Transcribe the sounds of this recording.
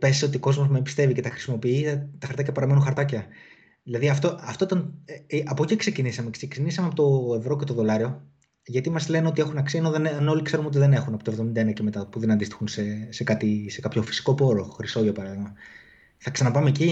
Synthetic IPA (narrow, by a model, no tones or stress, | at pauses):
pe̞ziso̞t̪ioko̞zmo̞zmebist̪e̞vice̞t̪ɐxɾi̥simo̞piit̪ɐxɐɾt̪ɐcɐpɐɾɐmenunxɐɾt̪ɐcɐ | ðilɐðiɐft̪o̞ʔɐft̪o̞it̪ɐnʔɐpo̞cikse̞cinisɐme̞ksecinisɐmeɐpot̪o̞e̞vɾo̞ce̞t̪oðo̞lɐɾio̞ | ʝɐt̪imɐzle̞neo̞t̪ie̞xunɐksiɐnoðeneɐno̞likseɾuno̞t̪̬iðe̞ne̞xunɐpot̪o̞vðo̞mind̪ɐenɐcemet̪ɐpuðe̞nɐnd̪ist̪i̥xunsese̞kɐt̪ise̞kɐpço̞fi̥si̥ko̞po̞ɾoxɾiso̞ʝopɐɾɐðiɣmɐ | θɐksɐnɐpɐmeci